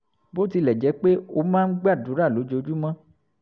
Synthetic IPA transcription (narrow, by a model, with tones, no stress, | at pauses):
bo˦ti˧lɛ˨d͡ʒɛ˨˦k͡pe˦o˧mãː˦n̩˦ɡ͡ba˦˨du˨˦ɾa˦˨lo˨˦d͡ʒo˧˦d͡ʒu˦mã˦